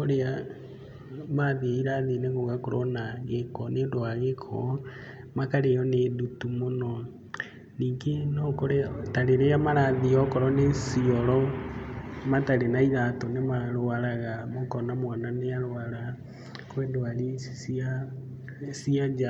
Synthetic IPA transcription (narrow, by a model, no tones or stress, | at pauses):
oɾea | maðiaiɾaðineŋɡoɣakoɾo̰naɣekɔnedoaɣekʰɔ | makaɾejɔnedutumonɔ | niːkenɔkoɾetaɾeɾeamaɾaðiɔkɔɾɔnesiɔɾɔ | mataɾenaiɾatɔnemaɾoaɾaɣamokɔnamwananeaɾoaɾa | kwendoaɾisia | siad͡ʒa